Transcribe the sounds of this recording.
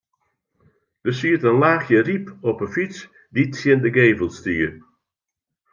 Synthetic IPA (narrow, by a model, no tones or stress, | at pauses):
d̥əsiətənlaːxjəripɔpəfit͡s | ditsjɪndəɡeːvəlˠstiːə